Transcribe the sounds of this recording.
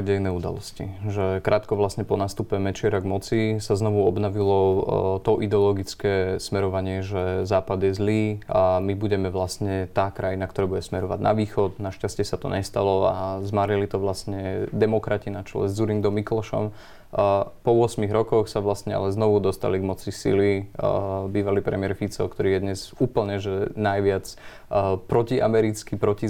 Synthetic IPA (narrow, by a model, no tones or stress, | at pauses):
ɟɛjnɛːud̪a̰lɔ̰scḭʒɛkɾʔaːt̪kɔʋlasɲɛpɔnast̪upɛmɛt͡ʃɪɛɾaɡmɔt͡sisaznɔʋuɔbnɔʋilɔt̪ɔʔid̪ɛɔlɔɡit͡skɛːsmɛɾɔʋaɲɪɛʒɛzaːpad̪jɛzliːamibuɟɛmɛʋlast̪ɲɛt̪aːkɾajinakt̪ɔɾɛːbuɟɛsmɛɾɔʋa̰ɟnʔa̰ʋiːxɔd̪naʃcascɪɛsat̪ɔ̰ɲɛst̪alɔazmaːɾilit̪ɔʋlast̪ɲɛd̪ɛmɔkɾacinat͡ʃɔlɛ̰zd͡zuɾiŋd̪ɔmiklɔʃɔ̰m | pɔʋʊɔsmiɣɾɔkɔxsaʋlast̪ɲɛa̰lɛznɔʋud̪ɔst̪a̰liɡmɔt͡sisḭli | biːʋalipɾɛ̰mɪɛɾfit͡sɔ̰kt̪ɔɾiːjɛd̪ɲɛzuːpl̩ɲɛʒɛnajʋɪat͡s | pɾɔciʔa̰mɛɾit͡skipɾɔci